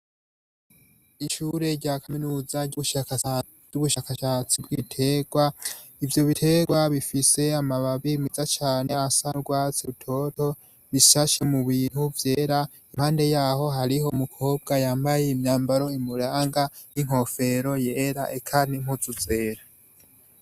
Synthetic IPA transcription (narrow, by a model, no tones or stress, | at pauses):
iʃuɾe̞ɾɟaːkʰaminuːzaɟuβuʃaka | ɟ̥uβuʃakaʃat͡sibɡitʰe̞ɡ̥wa | ivjo̞βitʰe̞ɡwaβifise̞amaβaβimizat͡ʃaːne̞asaɡwaːt͡siutʰo̞to̞ | βiʃaʃemuβiːn̥huvje̞ːɾa | imhaːnde̞jaːɦo̞ɦaɾiho̞mukʰo̞ːb̚ɡajaːmbaje̞imɲaːmbaɾo̞imuɾaːŋɡaniŋ̥ho̞fe̞ɾo̞je̞ːɾaʔekʰaniŋ̥huzuze̞ːɾa